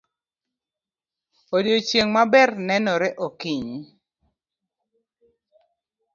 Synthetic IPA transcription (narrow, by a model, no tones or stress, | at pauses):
odjot͡ʃjeŋmabɛrnɛnɔɾɛʔokiɲ